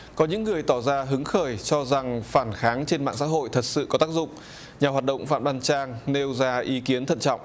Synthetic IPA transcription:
kɔ˨˦ɲɨ̰˧˥ŋːɨ˨˩əjt̪ɔ˧˩zaː˧ɦɨ˨˦ŋxəː˧˩jt͡ɕɔ˧za˨˩ŋfaː˧˩nxaː˨˦ŋt͡ɕe˧nma̰ː˧˨ŋsa̰ː˧˥ɦo̰˧˨jt̪ʰə˨˩t̚sɨ̰˧˨kɔ˨˦t̪aː˦˥k̚zʊ̰˧˨ŋ͡m | ɲaː˨˩ɦwaː˨˩t̚ɗə̰˧˨wŋ͡mfa̰ː˧˨mɗaː˧nt͡ɕaː˧ŋne˧wzaː˧ʔi˨˦ki˨˦ənt̪ʰə̰˧˨nt͡ɕɔ̰˧˨wŋ͡mʔ

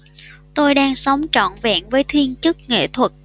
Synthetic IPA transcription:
t̪o˧jɗaː˧ŋsa˨˦wŋ͡mt͡ɕɔ̰˧˨nva̰ː˧˩˨nvəː˨˦jt̪ʰwi˧ənt͡ɕɨ˦˥k̚ŋḛ˧˨t̪ʰwə˨˩t̚

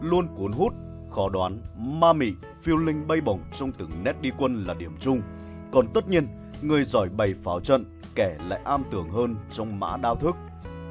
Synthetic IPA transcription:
lu˧ənku˨˦ənɦu˦˥t̚ | xɔ˨˦ɗwaː˨˦nmaː˧mḭ˧˨ | fi˧əwlï˧ŋ̟ɓə˧jɓə˨˩wŋ͡mt͡ɕɔ˧wŋ͡mt̪ɨ̰˨˩ŋnɛ˦˥t̚ɗi˧kwə˧nlaː˨˩ɗi˧˩əmt͡ɕʊ˧ŋ͡m | kɔ˨˩nt̪ə˦˥t̚ɲi˧ən | ŋɨ˨˩əjzɔ˧˩jɓə˨˩jfaː˨˦wt͡ɕə̰˧˨n | kɛ˧˩la̰ː˧˨jʔaː˧mt̪ɨ˧˩əŋɦəː˧nt͡ɕɔ˧wŋ͡mma̰ː˧˥ɗaː˧wt̪ʰɨ˦˥k̚

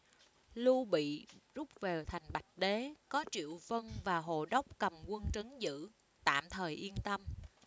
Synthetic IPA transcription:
lu˧ɓḭ˧˨zu˦˥p̚ve˨˩wt̪ʰa˨˩jŋ̟ɓa˨˩jt̚ɗe˨˦kɔ˨˦t͡ɕḭ˧˨əwvə˧nvaː˨˩ɦo̰˧˨ɗə˦˥wk͡p̚kə˨˩mkwə˧nt͡ɕə˨˦nzɨ̰˧˥ | t̪a̰ː˧˨mt̪ʰəː˨˩jʔi˧ənt̪ə˧m

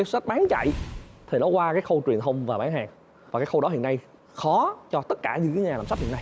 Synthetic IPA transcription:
sə˦˥t̚ɓaː˨˦nt͡ɕa̰˧˨jt̪ʰi˨˩nɔ˨˦kwaː˧kaː˨˦jxə˧wt͡ɕwi˨˩ənt̪ʰə˧wŋ͡mvaː˨˩ɓaː˨˦nhaː˨˩k̚ | vaː˨˩kaː˨˦jxə˧wɗɔ˨˦ɦḭ˧˨əna˧j | xɔ˨˦t͡ɕɔ˧t̪ə˦˥t̚kaː˧˩zɨ̰˧˥kɨː˨˦ɲaː˨˩lːaː˨˩msa˦˥p̚hḭ˧˨n˧j

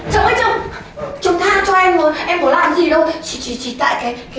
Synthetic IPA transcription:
t͡ɕə˨˧˩wŋ͡mʔə˨˧˦t͡ɕə˧˩ŋ͡m | t͡ɕʊ˨˧˦ŋ͡mt̪ʰaː˧˩t͡ɕɔ˧ʔɛ˧mmə˨˦ʔɛ˧mɓo˨˦laː˨˩m˨˧zi˨˩ɗə˧wt͡ɕi˧˩t͡ɕi˨˩t͡ɕi˨˩t̪a̰ː˧˨jkaː˨˦jka˨˦

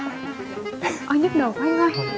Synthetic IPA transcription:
ʔɔ˧jɲə˦˥t̚ɗə˨˩whə˧wŋ͡mha˧j

